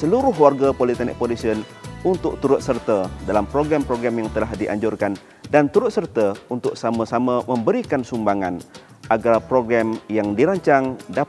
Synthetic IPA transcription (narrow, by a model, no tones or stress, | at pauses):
səluɾʊɦwarɡapolit̪anɛ̰ʔ̚polisiənunt̪ʊk̚t̪uɾʊt̪̚sərt̪adalampɾoɡɾampɾoɡɾamjaŋt̪əlahdiʔa̰ɲd͡ʒurkan | dant̪uɾʊt̪̚sərt̪aunt̪ʊk̚samasamaməmbəɾikansumbaŋan | ʔaɡarpɾoɡɾamjaŋdiɾaɲt͡ʃaŋda